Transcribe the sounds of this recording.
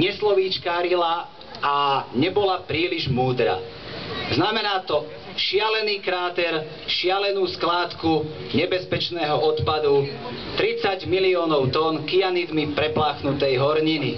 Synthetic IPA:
ɲɛslɔʋiːt͡ʃkaːɾila | aɲɛbɔlapɾiːliʒmuːd̪ɾa̰ | znamɛnaːt̪ɔ | ʃɪalɛniːkɾaːt̪ɛɾ | ʃɪalɛnuːsklaːt̪ku | ɲɛbɛspɛt͡ʃnɛːɦɔʔɔt̪pad̪ut̪ɾit͡saɟmiliɔːnɔʊt̪ɔnkijanid̪mipɾɛplaːxnut̪ɛjɦɔɾɲini

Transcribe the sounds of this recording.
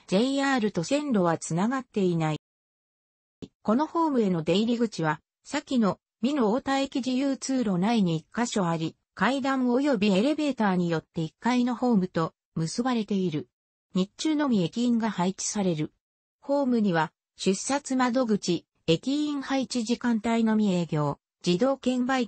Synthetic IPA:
d͡ʑe̞iaːɾɯ̟t̪o̞sẽ̞nɾo̞β̞at͡sɨnaɡat̪ːe̞inai | ko̞no̞ho̞ːmɯ̟e̞no̞d̪e̞iɾʲiɡɯ̟t͡ɕiβ̞a | sakʲino̞ | mʲino̞ːt̪ae̞kʲiʑijɯːt͡sɨːɾo̞naiɲ̟iːkːaɕo̞aɾʲi | kaid̪ãɰ̃o̞jo̞bʲieɾe̞be̞ːt̪aːɲ̟ijo̞t̪ːe̞ikːaino̞ho̞ːmɯ̟t̪o̞ | mɯ̟sɨbaɾe̞t̪e̞iɾɯ̟ | ɲ̟it͡ɕɨːno̞mʲie̞kʲĩːŋɡahait͡ɕi̥saɾe̞ɾɯ̟ | ho̞ːmɯ̟ɲ̟iβa | ɕɨsat͡sɨmad̪o̞ɡɯ̟t͡ɕi | e̞kʲiĩɰhait͡ɕiʑikãnt̪aino̞mʲie̞ːɡʲo̞ː | d͡ʑid̪o̞ːkẽ̞mbai

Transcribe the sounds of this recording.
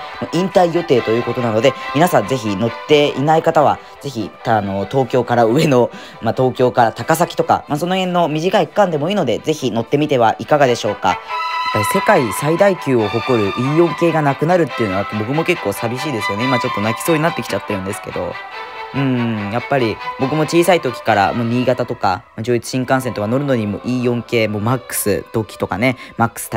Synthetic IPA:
moʔĩnt̪aijo̞t̪e̞ːt̪o̞jɯ̟ːko̞t̪o̞nano̞d̪e̞mʲinasãnze̞çino̞t̪ːe̞inaikat̪aβ̞a̰ | ze̞çit̪ano̞t̪o̞ːkʲo̞ːkaɾaɯ̟e̞no̞ | mat̪o̞ːkʲo̞ːkaɾat̪akas̬akʲi̥t̪o̞ka̰maso̞no̞hẽnːo̞mʲiʑikaikkãnd̪e̞mo̞iːno̞d̪e̞ze̞çino̞t̪ːe̞mʲit̪e̞βa̰ʔikaɡad̪e̞ɕo̞ːka̰japːaɾʲise̞kaisaid̪aikʲɨːo̞ɦo̞ko̞ɾɯ̟ʔiːjõ̞ŋke̞ːɡanakɯ̟naɾɯ̟t̪ːeɯ̟noaapːbo̞kɯ̟mo̞ke̞kːo̞ːsabʲiɕiːd̪e̞sɨjo̞neimat͡ɕo̞t̪ːo̞nakʲi̥so̞ːɲ̟inat̪ːe̞kʲi̥t͡ɕat̪ːe̞ɾɯ̟̃nd̪e̞sɨ̥ke̞d̪o̞̰ | ɯ̟̃ɴjapːaɾʲibo̞kɯ̟mo̞t͡ɕiːsait̪o̞kʲi̥kaɾa̰moːɲʲiːɡat̪at̪o̞ka̰mad͡ʑo̞ːit͡sɨ̥ɕĩŋkãsent̪okano̞ɾɯ̟no̞ɲ̟imo̞̰ʔiːõ̞ŋke̞ːmo̞ːmakːɯ̥sɨ̰t̪o̞ːkʲi̥t̪o̞kane̞makːɯ̟̥sɨ̥t̪

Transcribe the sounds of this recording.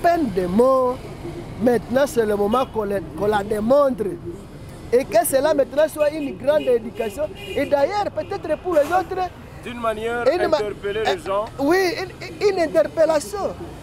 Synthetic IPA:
pɛndemɔ | mɛt̪nasɛlemomakolkolademɔndɾe | ekɛsɛlamɛt̪nasuainɡɾãndedykasjɔ̃edajɛɾpetɛt̪ɾepuɾlezotɾɛ | dynmanjɛɾinmaɛpeleleʒ̃wiinɛ̃nt̪ɛɾpelasjɔ̃

